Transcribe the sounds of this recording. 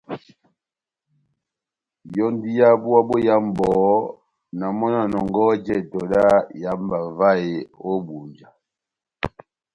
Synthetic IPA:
jɔ˦n˦di˦ja˦bu˦a˦bo˦ja˦m˨bɔ˨˦ | na˨mɔ˦na˨nɔ˨ŋɡɔ˦d͡ʒɛ˦˨tɔ˨la˦ja˦m˦ba˨va˦˨e˨o˦bu˨ɲd͡ʒa˨

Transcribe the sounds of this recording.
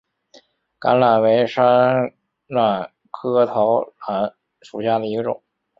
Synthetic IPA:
ka̰˧˥nla˨˩nwe˧˥ɪʂa˥n | la˥˩n | kʰɤ˥t̪ʰo˧˥ʊla˧˩n | ʂu˨˩ɕja˥˩d̪ə˩i˧˥ɡə˧ʈ͡ʂʊ̰˨˩˦ŋ

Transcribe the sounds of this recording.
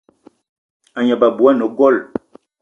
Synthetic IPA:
a˨ɲa˨ba˨bu˨a˦nə˨ɡɔ˦˨l

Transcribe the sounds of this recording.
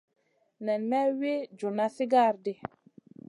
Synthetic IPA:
nɛ˨nmɛ˦we˦d͡ʒo˨na˦si˦ɡa˦˨ɾdi˨

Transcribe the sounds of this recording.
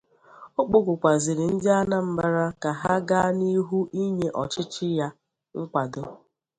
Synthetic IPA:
o˦k͡po˦ɡʊ˨kʷa˨zɪ˨ɾɪ˨n̩˦dɪ˦a˦na˦m̩˦ba˦ɾa˦ka˨ɦa˦ɡa˦ni˦ɦu˦ʔi˦ɲe˨ʔɔ˨t͡ʃɪ˦t͡ʃɪ˦ja˦ | ŋ̩˦kʷa˨do˦

